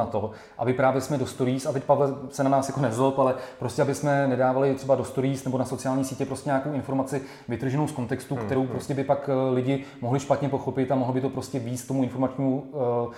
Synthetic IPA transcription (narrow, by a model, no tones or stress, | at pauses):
at̪o̞ | ʔa̰bɪpɾaːvjɛɪsmɛdo̞st̪oɾiːsat̪ɛc̚pavlɛsɛnanaːsjako̞nɛzolpalɛpɾoscʲɛabɪsmɛnɛdaːvalɪt̪r̥ɛbadost̪oɾiːsnɛbo̞naso̞t͡sɪjaːlɲiːsiːcɛpɾoscɛɲaːkowɪnfo̞ɾmat͡sɪ | vɪt̪r̩ʒɛnowsko̞nt̪ɛkst̪ukt̪ɛɾowpɾo̞scɛbɪpaklɪɟɪmoɦlɪʃpat̪ɲɛpo̞xo̞pɪt̪amoɦlobɪt̪o̞pɾo̞scʲɛviːst̪ːomuɪnfoɾmat͡ʃɲiːmu